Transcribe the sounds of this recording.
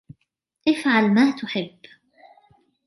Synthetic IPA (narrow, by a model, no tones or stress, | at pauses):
ʔɪfʕalmaːt̪ʊħɪbː